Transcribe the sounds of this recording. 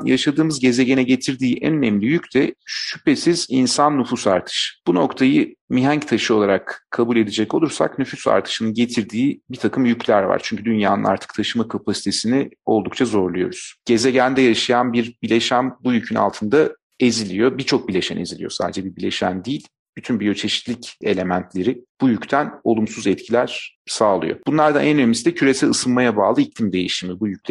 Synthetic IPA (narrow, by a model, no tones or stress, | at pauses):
ja̰ʃad̪ɯːmɯzɟe̞ze̞ɟe̞nɛɟe̞t̪ʰiɾd̪iːʔɛ̰nønɛmlʲijyct̪ʰɛʃype̞sizinsanːyfusaɾt̪ʰɯ̥ʃɯ̥b̥uno̞kt̪ʰajɯmiɦæɲct̪ʰaʃɯo̞lˠaɾakʰːabulʲe̞d̪id͡ʒɛcolˠuɾsa̰knyfysa̰ɾt̪ʰɯ̥ʃɯnɯɟe̞t̪ʰiɾd̪iːbit̪ʰakʰɯmjycʰlʲæɾva̰ɾt͡ʃʰyɲcʰyd̪ynjaːnɯ̰na̰ɾt̪ʰɯ̥k̚t̪ʰaʃɯmakʰapʰasi̥t̪ʰe̞sinio̞̰lˠd̪ukt͡ʃʰazo̞ɾlˠujo̞̰ɾuz̥ɟ̥e̞zeɟænd̪ɛjaʃajanbiɾbilʲe̞ʃæmbujycʰyna̰lˠt̪ʰɯnd̪a | e̞zilʲijo̞biɾt͡ʃʰo̞k̚bilʲe̞ʃæne̞̰zilʲijo̞sa̰ːd̪ed͡ʒɛbiɾbilʲe̞ʃæ̰nd̪iːlʲ | b̥yt̪ʰynbijøt͡ʃʰe̞ʃi̥t̪lʲice̞lʲe̞mænt̪ʰlʲe̞ɾib̥ujyct̪ʰæno̞lˠumsuzɛt̪cʰilʲæɾ̥saːlˠɯ̰jo̰b̥unlˠaɾd̪anʔɛnø̞nemisid̪ɛcʰyɾe̞sælɯsɯnmajabaːlˠɯiclʲimd̪e̞jḭʃimibujyc̚ʲlʰ